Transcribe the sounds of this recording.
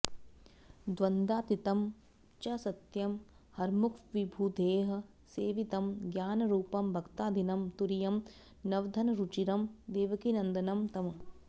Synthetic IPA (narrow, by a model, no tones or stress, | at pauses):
d̪ʋɐnd̪aːt̪it̪ɐm | t͡ʃɐsɐt̪jɐm | hɐɾmukʰʋibʱuːd̪ʱeːɦɐ̆ | seːʋit̪ɐmɡjaːnɐɾuːpɐmbʱɐkt̪aːd̪ʱinɐmt̪uɾijɐm | nɐʋd̪ʱɐnɐɾut͡ʃiɾɐmd̪eːʋɐkinɐnd̪ɐnɐmt̪ɐmɐ